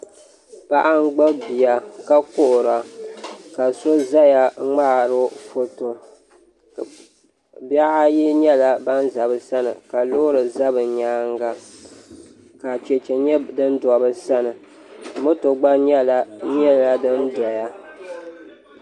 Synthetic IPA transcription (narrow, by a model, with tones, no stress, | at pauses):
pa˦ʔa˦ŋ˦ɡ͡ba˦bi˨a˨ka˦kʊ˦ʔʊ˨ɾa˨ka˨so˦za˦ja˨ŋ͡ma˦˨ɾɨ˦fo˦to˨ | bja˦ʔa˦ji˦ɲɛ˦la˦ba˦nza˨bɨ˨sa˦nɨ̰˨ka˨lo˦ɾɨ˨za˦bɨ˨ɲaː˦ŋɡa˦ | ka˨t͡ʃɛ˨t͡ʃɛ˨ɲɛ˦dɨ˦nda˨bɨ˦sa˦nɨ˨ | mɨ˦to˨ɡ͡ba˦ɲɛ˦la˨ɲɛ˦˨la˨dɨ˦nda˨ja˨